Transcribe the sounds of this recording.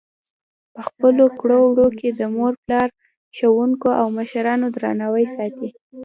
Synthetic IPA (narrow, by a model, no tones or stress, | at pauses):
pəxpəlokɽowɽoked̪əmoɾplɑɾ | ʃowuŋkoʔawməʃɾɑnod̪ɾɑ̰nawəjsɑt̪i